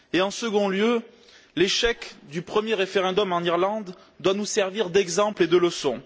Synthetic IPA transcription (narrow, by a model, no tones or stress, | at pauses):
eɑ̃səɡɔ̃ljø | leʃɛkd̪ypχəmjeʁefeʁɑ̃d̪ɔmɑ̃niʁlɑ̃d̪ː | wanusɛʁviʁd̪ɛɡzɑ̃pled̪ələsɔ̃